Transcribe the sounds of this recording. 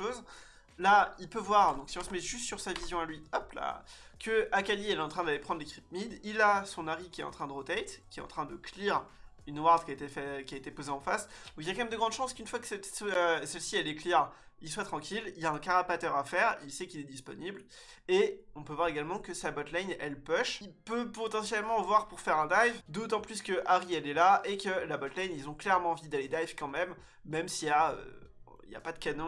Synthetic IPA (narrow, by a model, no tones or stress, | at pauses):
ʃoz | lailpøvwaʁd̪ɔ̃ksiɔ̃səmɛʒyst̪syʁsavizjɔ̃alɥiɔpla̰kəakaliɛlɛt̪ɑ̃t̪χɛ̃d̪alepχɑ̃d̪ʁlekχip̚mid̪ilasɔ̃naʁikʲiɛt̪ɑ̰̃t̪χɛ̃d̪əʁət̪ɛjt̪kʲiɛt̪ɑ̰̃t̪χɛ̃d̪əkliʁ | ynwaʁd̪kʲiaet̪efɛkʲiaet̪epozeɑ̃fasd̪ɔ̃kiljakɑ̃mɛmd̪əɡʁɑ̃d̪ʃɑ̃skynfwakə̥sɛøsɛlsiɛlekliʁ | ilswat̪χɑ̃kʲililjaɛ̃kaʁapat̪œʁafɛʁilsɛkilɛd̪ispɔ̰nibl | eɔ̃pøvwaʁeɡalmɑ̃kəsabɔt̪lanɛlpɔʃilpøpɔt̪ɑ̃sjɛlmɑ̃vwaʁpuʁfɛʁɛ̃d̪ajvd̪ot̪ɑ̃plyskəʔaʁiɛlɛlaekəlabɔt̪lanilzɔ̃klɛʁmɑ̃vid̪aled̪ajvkɑ̃mɛmː | ɛmsiaø̰ | ḭlja̰pad̪əkanɔ̃